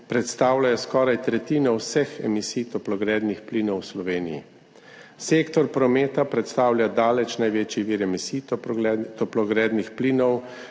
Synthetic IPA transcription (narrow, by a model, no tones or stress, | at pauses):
pɾɛt̪st̪aːwlʲajɔskɔːɾajt̪ɾɛt̪iːnɔwsɛxɛ̰misijt̪ɔplɔɡɾɛd̪nixpliːnɔwslɔʋeːnḭjḭ | seːkt̪ɔɾpɾɔmeːt̪apɾɛt̪st̪aːwlʲjad̪aːlɛt͡ʃnajʋeːt͡ʃjiʋiːɾɛmisi | t̪ɔplɔɡɾɛːd̪nixpliːnɔw